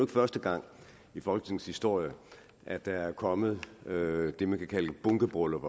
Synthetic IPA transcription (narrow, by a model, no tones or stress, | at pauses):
ɡ̥fɶɐsd̥əɡ̥ɑ̈ŋ̰ | ifɒ̽lɡ̥ə̥t͡sʰe̝ŋshisd̥o̝ɐ̰jə | ʔæd̥ɑ̈æɐkʰɒ̽mð̩ˠød̥e̝mænkʰækʰæləb̥ɔŋɡ̥əb̥ʁɔləʋɐ